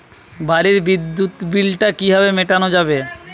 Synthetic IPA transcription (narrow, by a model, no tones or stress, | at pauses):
baɾiɾbid̪ːut̪bilʈakiɦɔβemeʈanod͡ʑabe